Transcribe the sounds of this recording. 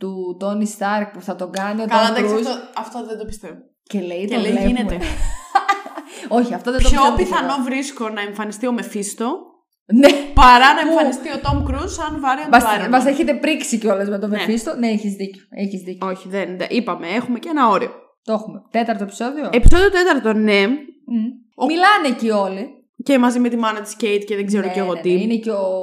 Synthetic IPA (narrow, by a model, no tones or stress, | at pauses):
t̪ut̪o̞nist̪ɐɾk̚puθɐt̪o̞ɡɐniotɐoɐɐɾuɐft̪oðed̪opi̥st̪evo | celeit̪oleleneme | o̞çiɐft̪oðeçopiθɐno̞vɾisko̞nɐeɱfɐnist̪io̞me̞fist̪o̞ | nepɐɾɐnɐefɐnist̪iot̪o̞mkɾusɐnvɐɾionmɐsɐɾimɐseçet̪e̞pɾiksiceo̞lezme̞t̪omefist̪oneeçizðicoeçizðico̞çiðendɐ̰ʔipɐmee̞xume̞cenɐo̞ɾio̰ | t̪oxumet̪e̞t̪ɐɾt̪oepi̥so̞ðioepi̥so̞ðiot̪e̞t̪ɐɾt̪o̞ne | omilɐnecio̞li | cemɐzimet̪imɐnɐt̪i̥scejt̪ceðeɡze̞ɾoceɣo̞t̪iineceo